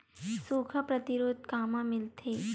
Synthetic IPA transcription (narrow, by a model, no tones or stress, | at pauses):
suːkʰəpɾɐt̪ɪɾoːd̪̚kaːmãmɪlt̪ʰeː